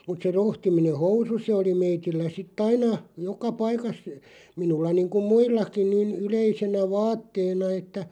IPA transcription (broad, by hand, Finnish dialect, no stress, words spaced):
mut se rohtimine housu se oli meitilːæ sitː ɑinɑ jokɑ pɑikɑs minulːɑ niːŋkum̆ muilːɑkin̆ niːn yleisenæ ʋɑːtːeːnɑ etːæ